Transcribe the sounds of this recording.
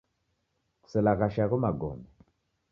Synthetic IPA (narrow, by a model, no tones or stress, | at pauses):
ku̥sɛlakaʃakumaɡɔ̰mbɛ